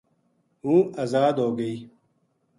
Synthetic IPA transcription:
ɦũːɐzaːd̪ɦoːɡəiː

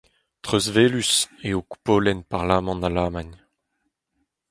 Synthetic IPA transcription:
t̪χøzveːlyseoku̥poːlɛnpaʁlaːmɑ̃nalaːmaɲ

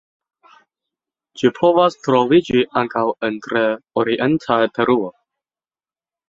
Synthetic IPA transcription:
t͡ʃipʰo̞vastɾovid͡ʒiʔaŋkawentɾeoɾiʔentʰajpʰe̞ɾuo

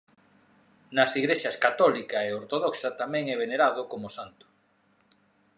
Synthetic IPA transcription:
nɐsiɣɾeʃaskat̪ɔlikaeoɾt̪oðɔksɐt̪amɛ̃ŋɛβeneɾaðʊkomʊsant̪ʊ̥

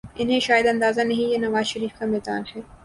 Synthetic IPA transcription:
ɪnɦẽʃaːjəd̪ɐ̃nd̪aːzanɐɦĩjenɐʋaːzʃɐɾiːfkamɛːd̪a̰ːnɦɛː

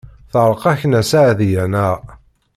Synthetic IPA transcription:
θəʁɾˤqɑçnæsaʕðjænæ

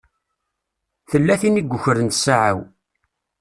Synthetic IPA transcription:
θəlːæθiniɡʷəçəɾənt̪saʕa̰w

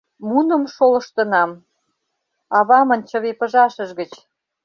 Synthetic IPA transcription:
munə̆mʃolə̆ʃt̪ə̆nɑm | ɑβɑmə̆nt͡ɕə̆βepə̆ʒɑʃəʃɣə̆t͡ɕ

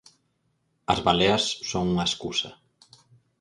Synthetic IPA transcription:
a̰zβaleasːoŋuŋaskusɐ

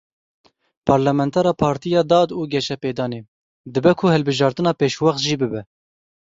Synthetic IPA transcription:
pʰɑɾlɛmɛnt̪ʰɛɾɑːpʰɑːɾt̪ijɑːd̪ɑːd̪uːɡʲɛʃɛpeːd̪ɑːneː | d̪ɨbɛkʰʊhɛlbɨʒɑːɾt̪ɨnɑːpeːʃwɑχt̪ʒiːbɨbɛ

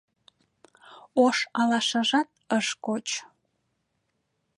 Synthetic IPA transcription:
oʃɑlɑʃɑʒɑt̪̚əʃkot͡ɕ

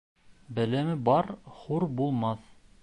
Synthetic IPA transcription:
bɘ̆læmɘbɑɾχuɾbulˠmɑθ

